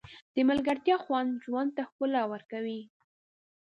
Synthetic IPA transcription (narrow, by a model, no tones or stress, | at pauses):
d̪̥əmalɡaɾt̪jɑxwand̪ʒwand̪̚t̪axpəlawəɾkawi